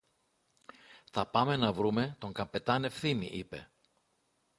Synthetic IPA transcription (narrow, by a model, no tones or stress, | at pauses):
θɐpɐme̞nɐvɾume̞t̪o̞ŋkɐmpe̞t̪ɐne̞fθimḭʔipe̞̰